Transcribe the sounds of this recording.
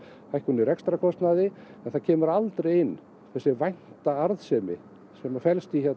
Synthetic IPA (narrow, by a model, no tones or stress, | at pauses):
hajhkunɪrɛkst̪ɾakʰɔst̪naðɪɛnθacʰɛːmʏɾalt̪ɾejɪnː | θɛsːɪvajn̥t̪aaɾðsɛmɪ̰ | sɛmafɛlst̪içɛt